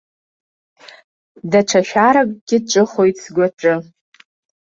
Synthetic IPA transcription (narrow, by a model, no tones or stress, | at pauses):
daʈ͡ʂʰaʃᶣaɾakʼɡ̥ʲɪʈ͡ʂʼɨχo̞jtʼsɡʷaʈ͡ʂʼɨ